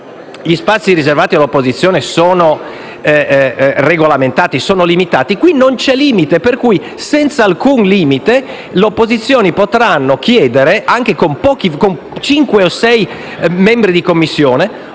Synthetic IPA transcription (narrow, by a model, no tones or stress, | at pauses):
ʎispat̪sːiɾizervaːt̪ialːopːozit̪sːjoːnesoːno | reɡolament̪aːt̪isoːnolimit̪aːt̪ikwinont͡ʃɛliːmit̪eperkuj | sɛnt̪salkunliːmit̪e | leopːozit̪sːjoːnipot̪ɾanːokjɛːd̪eɾeʔaŋk̟ekompɔːk̟ikon | t͡ʃiŋkweosɛj | mɛmbɾid̪ikomːisːjoːne